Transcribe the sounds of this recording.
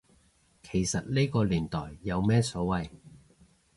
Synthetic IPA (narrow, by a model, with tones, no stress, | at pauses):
kʰe˨˩jsɐ˨t̚le˥jkɔː˧liː˨˩nt̪ɔː˨˩jːɐ˨˧wmɛː˥sɔː˨˥wɐ˨j